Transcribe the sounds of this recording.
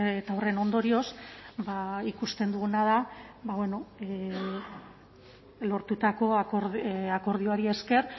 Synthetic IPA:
t̪awre̞no̞nd̪o̞ɾio̞sbaikust̪e̞nd̪uɣunað̞abaβwe̞no̞e | lo̞ɾt̪ut̪ako̞akoɾako̞ɾðio̞aɾie̞ske̞ɾ

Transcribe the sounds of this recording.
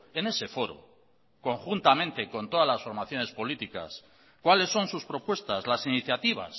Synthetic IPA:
e̞ne̞se̞fo̞ɾo̰ | ko̞ŋxunt̪amẽ̞nt̪e̞ko̞nt̪o̞ðazlasfo̞ɾmaθjo̞ne̞spo̞lit̪ika̰s | kwale̞sːo̞nsuspɾo̞pwe̞st̪azlasiniθjat̪iβ̞a̰s

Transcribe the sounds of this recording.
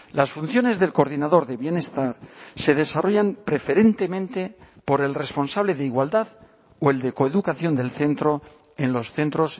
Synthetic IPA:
lasfun̟θjo̞ne̞zðe̞lkoɾðinaðo̞ɾðe̞βje̞ne̞st̪aɾse̞ðe̞saro̞ʝampɾe̞feɾe̞nt̪e̞mẽnt̪e̞po̞ɾe̞lre̞spo̞nsaβle̞ðeiɣwald̪að | oe̞ld̪e̞ko̞eðukaθjo̞nd̪e̞lθe̞nt̪ɾo̞ | enlo̞sθe̞nt̪ɾo̞s

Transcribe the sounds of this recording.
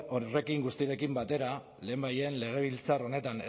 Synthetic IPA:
ore̞kiŋɡust̪iɾe̞kimbat̪e̞ɾa | le̞ːmbaje̞nle̞ɣ̞e̞β̞ilt͡saro̞ne̞t̪ane

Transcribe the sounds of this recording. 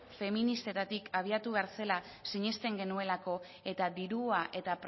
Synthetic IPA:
fe̞minist̪et̪at̪ikaβ̞iat̪uβaɾse̞la | siɲe̞st̪e̞ŋɡe̞nue̞lako̞ | e̞t̪ad̪iɾuaʔe̞t̪ap

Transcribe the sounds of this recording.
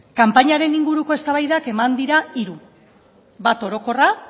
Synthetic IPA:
kampaɲaɾe̞niŋɡuɾuko̞e̞st̪aβajðake̞mand̪iɾaiɾu | βat̪o̞ɾo̞ko̞ra

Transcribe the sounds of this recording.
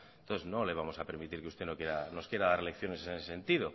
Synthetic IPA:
nt̪onθe̞zno̞le̞β̞amo̞sapeɾmit̪iɾkeust̪e̞no̞kjeɾano̞skje̞ɾaðaɾelekθjo̞nesenesese̞nt̪iðo

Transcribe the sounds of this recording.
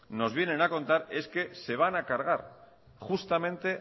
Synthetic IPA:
no̞zβ̞je̞nẽ̞nako̞nt̪aɾe̞ske̞se̞β̞anakaɾɣ̞aɾ | χust̪amẽ̞nt̪e̞

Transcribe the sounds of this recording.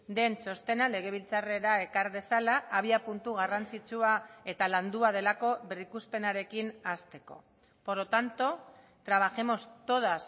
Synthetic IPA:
d̪e̞nt͡so̞st̪e̞nale̞ɣ̞e̞β̞ilt͡sare̞ɾae̞kaɾðe̞salaʔːβiapunt̪uɣ̞arant͡sit͡ʃuae̞t̪aland̪uað̞e̞lako̞βerikuspe̞naɾe̞kinast̪e̞ko̞̰ | poɾot̪ant̪o̞ | t̪ɾaβaʝe̞mo̞st̪o̞ð̞as

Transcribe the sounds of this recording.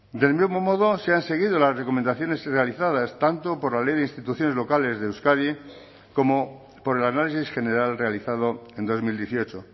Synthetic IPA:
d̪e̞lmizmo̞moð̞oseanse̞ɣ̞iðolasreko̞mend̪aθjo̞ne̞zrealiθaðast̪ant̪opo̞ɾlalejðeinst̪it̪uθjo̞nelo̞kale̞zðeewskaði | ko̞mo | po̞ɾe̞lanalisisxe̞ne̞ɾalre̞aliθað̞oe̞nd̪o̞zmild̪je̞θio̞t͡ʃo

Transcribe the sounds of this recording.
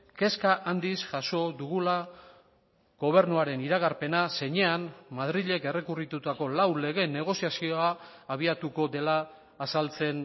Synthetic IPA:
ke̞skaʔand̪isʝaso̞ðuɣula | ɣ̥o̞β̞e̞ɾnuaɾe̞niɾaɣaɾpe̞nase̞ɲe̞anmaðɾiʎe̞ke̞re̞kurit̪ut̪ako̞lawle̞ɣ̞e̞ne̞ɣ̞o̞sjasioaːβ̞iat̪uko̞d̪e̞laː | salt͡se̞n

